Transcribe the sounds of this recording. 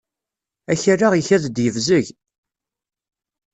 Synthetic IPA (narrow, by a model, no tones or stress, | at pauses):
æçarːaʁiçæðd̪jəvzəʝ